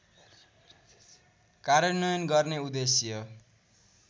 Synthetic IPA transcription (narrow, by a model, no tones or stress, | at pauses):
kaɾjʌnʌjʌnɡʌrneud̪esjʌ